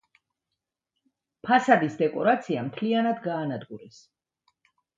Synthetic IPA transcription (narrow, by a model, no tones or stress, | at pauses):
pʰasad̪isd̪ɛkʼɔ̰ɾat̪sʰiamt̪ʰlianad̪ɡaːnad̪ɡuɾɛs